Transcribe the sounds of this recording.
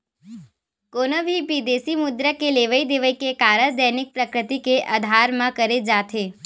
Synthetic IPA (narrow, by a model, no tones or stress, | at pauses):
konəbʱibid̪esimud̪ɾəkeleʋəid̪eʋəikekaɾəɾd̪ənik̚pɾəkɾɪt̪ikeʔəd̪ʱaɾmãkəɾed͡ʒat̪ʰe